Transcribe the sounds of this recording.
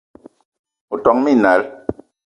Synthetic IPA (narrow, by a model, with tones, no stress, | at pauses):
u˨tɔ˨ŋmi˦˨na˨˦l